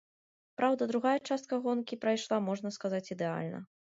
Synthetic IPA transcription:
pɾawd̪ɐd̪ɾuɣajɐt͡ʂast̪̚kɐɣɔnkʲipɾɐjʂlˠamɔʐnɐskazat͡sʲid̪ɛa̰lʲnɐ̰

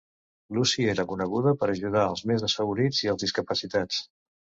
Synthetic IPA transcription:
lusieɾəkunəɣuðəpəɾəʒuð̞aəlˠzmezðəsfəɣuɾid͡ziəlˠzðiskəpəsit̪at͡s

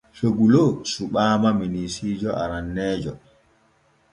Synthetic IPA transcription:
hoɡulosuɓaːmaminisiːd͡ʒɔʔa̰ɾanːɛːd͡ʒɔ

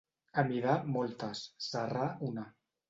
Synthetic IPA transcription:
əmiðamɔlt̪asːarauna

